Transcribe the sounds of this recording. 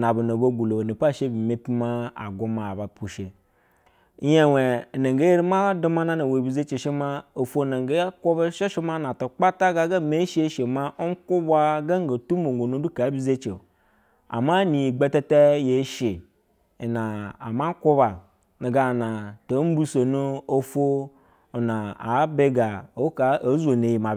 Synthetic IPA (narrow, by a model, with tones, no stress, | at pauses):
na˨bu˨no˨bo˦ɡu˨lo˨ni˨pa˦˨ʃe˦bi˨me˦pi˦ma˦a̰˨ɡu˦ma˨ba˨pu˨ʃe˨˦ | je˦˨we˨na˨ŋɡe˦je˦ɾi˦ma˦du˦ma˦na˦na˨we˨bi˨ze˦t͡ʃe˨ʃi˦ma˦o˨fo˦˨na˨ŋɡe˦a˦ko˦ba˦ʃe˦ʃi˦ma˦na˨to˨k͡pa˦ta˦ɡa˦ɡa˦˨me˦ʃe˦ʃe˨ma˦ʔo˦ŋ˦ku˦ba˦ɡa˦ŋ˦ɡo˨tu˦mo˨ŋ˨ɡo˨nu˦du˦ka˨˦bi˦ze˦t͡ʃḛ˨ | a̰˨ma˦ni˨i˨ɡ͡be˦te˦te˦je˨˦ʃi˨ | na˨a̰˨ma˦ku˦ba˨ | na˨ɡa˨na˨to˨˦bu˦so˨nu˦o˦fo˦˨ | na˨a̰˨˦be˦ɡa˨o˨˦ka˨a˨˦zo˨ne˨ji˨ma˨˦